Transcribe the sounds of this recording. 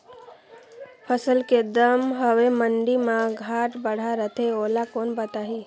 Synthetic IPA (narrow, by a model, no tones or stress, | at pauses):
pʰəsəlked̪əmɦəʋeməɳɖimãɡʱaːʈbəɽ̤aɾət̪ʰeoːlakoːnbət̪aɦi